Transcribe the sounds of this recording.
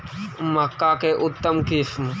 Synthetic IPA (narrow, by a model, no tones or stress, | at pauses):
məkːaːkeːʔʊt̪ːəmkifm